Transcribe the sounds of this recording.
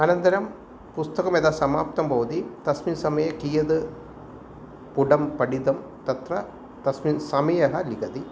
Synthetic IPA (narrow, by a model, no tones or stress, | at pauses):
ɐnɐnt̪ɐɾɐm | pust̪ɐkɐmeːd̪aːsɐmaːp̚t̪ɐmbɐʋɐd̪it̪ɐsminsɐmɐjɐkijɐd̪ɨ | puɖɐmpɐɽid̪ɐm | t̪ɐt̪ɾɐ | t̪ɐsminsɐmɐjɐɦɐliɡɐd̪i